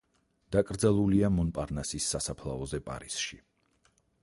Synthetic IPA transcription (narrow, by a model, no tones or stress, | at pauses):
d̪̥akʼɾd̪zalˠuliamɔnpʼaɾnasisːasapʰlˠa̰ɔzɛpʼa̰ɾisʃi